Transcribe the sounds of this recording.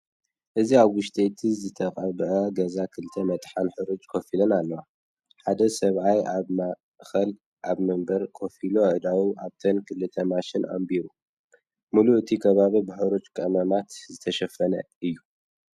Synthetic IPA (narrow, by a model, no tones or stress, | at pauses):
ʔɨziaβwʊʃt̪ʰʼet̪ʰizɨt̪ʰɐkʼɐβʔɐɡɐzakʰɨlt̪ʰɐmɐt̪ʼħanħɨɾut͡ʃʼkʰofilɐnalːɐwa | ħad̪ɐsɐβʕajama | xɐl | ʔaβmɨmbɐɾkʰo̞filoʕɨd̪awunaβt̪ʰɐnkʰɨlɨt̪ʰɐmaʃɪnʔa̰mbiɾu | muluʔɨt̪ʰikʰɐβaβibɨħɨɾut͡ʃʼkʼɐmɐmat̪zɨt̪ʰɐʃɐfɐnɐ | ɨjːu